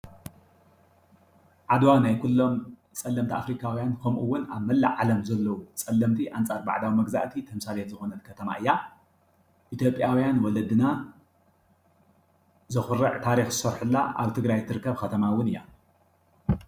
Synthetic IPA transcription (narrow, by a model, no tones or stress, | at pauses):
ʕad̪wanajkʰulːo̞m | t͡sʼɐlːɐmt̪ʰiʔafɾikʰawijankʰɐmʔuwːʊnaβmɐlːa̰ʕalɐmzɐlːɐwut͡sʼɐlːɐmt̪ʰiʔant͡sʼaɾba̰ʕd̪awimɐɡza̰ʔt̪ʰit̪ʰɐmsalet̪zɨxonɐlkʰɐt̪ʰɐma̰ʔɨjːa | ʔit̪ʰjo̞pʼːjawijanwɔlɐd̪ɨna | zɨxɨɾɐʕt̪ʰaɾixzɨsɐɾħɨlːa̰ʔa̰βt̪ʰɨɡɾajt̪ʰɨɾɨkːɐβxɐt̪ʰɐmawːʊnɨjːa̰